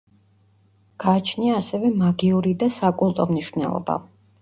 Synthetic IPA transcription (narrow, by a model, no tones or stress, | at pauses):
ɡ̥aːt͡ʃʰniaːsɛvɛmaɡiuɾid̪asakʼulˠt̪ʼɔmniʃvnɛ̰lˠɔ̰ba̰